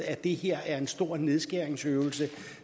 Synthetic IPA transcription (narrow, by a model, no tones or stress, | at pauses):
æd̥e̝heɐ̰æɐe̝nsd̥o̝ɐ̰ne̝ð̞ˠsɡ̥eɐeŋsøʊl̩sə